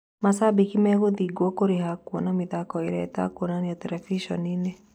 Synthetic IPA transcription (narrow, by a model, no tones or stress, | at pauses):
masabikimɛɣodiɡwɔkoɾiɦakuɔnamiðakɔiɾɛt̪a̰kwonaniɔt̪ɛɾɛfiʃɔnine